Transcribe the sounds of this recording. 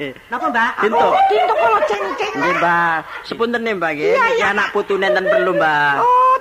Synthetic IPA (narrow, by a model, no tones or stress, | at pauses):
nbat̪int̪ʊt̪int̪ʊkəlɔ̥d͡ʒanikɡembasəpunt̪ənembaɡeanaʔ̚put̪unɛnt̪ənpərlumba